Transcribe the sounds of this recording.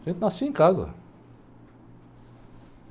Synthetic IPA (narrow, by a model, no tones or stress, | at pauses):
ʒẽnt̪ɪnasiẽkazɐ̰